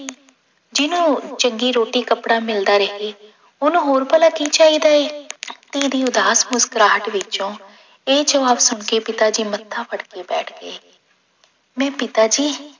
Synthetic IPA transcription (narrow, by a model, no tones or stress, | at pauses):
d͡ʒɪnũːt͡ʃəŋɡiːɾoːʈiːkəpɽaːmɪld̪aːɾəɦeː | ʊnũːɦoːɾpəlaːkiːt͡ʃaːiːd̪aːeːt̪eːd̪iːʊd̪aːsmʊskɾaːʈʋɪt͡ʃõː | eːd͡ʒəʋaːbsʊɳkeːpɪt̪aːd͡ʒiːmət̪ʰːaːpʰəɽkeːbɛːʈʰɡḛː | mɛ̃ːpɪt̪aːd͡ʒiː